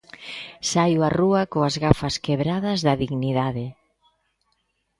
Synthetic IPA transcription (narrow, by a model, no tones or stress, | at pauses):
sajwaruɐkoɐzɣafɐskeβɾaðɐzðɐðiɣniðaðɪ